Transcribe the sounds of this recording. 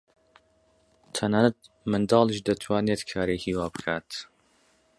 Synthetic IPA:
t̪ʰɐnaːnat̪̚ | mɨnd̪ɑːlˠiʃd̪ɐt̪ʰwaːneːt̪kʰaːɾehiːwaːbɨkʰaːt̪

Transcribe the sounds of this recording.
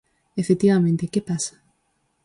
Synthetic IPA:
efet̪iβamẽnt̪ekepasḁ

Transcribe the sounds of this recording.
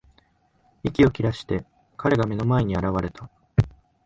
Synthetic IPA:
ikʲio̞kʲiɾaɕi̥t̪e̞ | kaɾe̞ɡame̞no̞mae̞ɲ̟iaɾaβ̞aɾe̞t̪a

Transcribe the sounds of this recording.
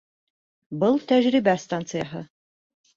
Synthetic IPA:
bɤlˠt̪æʒɾibæst̪ant̪sɨjaɦɤ

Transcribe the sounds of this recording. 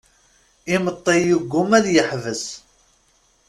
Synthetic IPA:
ɪmət̪ˤːejuɡʷːʊmæðjəħvəs

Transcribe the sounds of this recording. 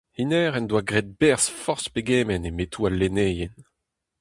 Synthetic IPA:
hinɛːʁɛnd̪waɡʁet̪̚bɛʁsfɔʁspeɡeːmɛnemetʰualːeneːjɛn

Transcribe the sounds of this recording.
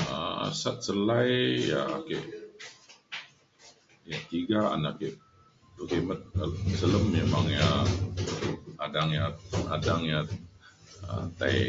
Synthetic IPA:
ə̰sat̪̚səlajja̰ːkeʔ | jat̪iɡaa̰nakeʔ | lokemət̪̚alsələmːemaŋja | adaŋjaadaŋja | ə̰t̪aj

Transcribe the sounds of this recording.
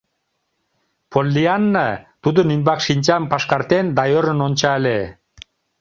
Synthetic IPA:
pʰolʲːianːat̪ud̪uninbɑkʃint͡ɕampaʃkaɾt̪end̪ajoɾɯ̆nont͡ɕale

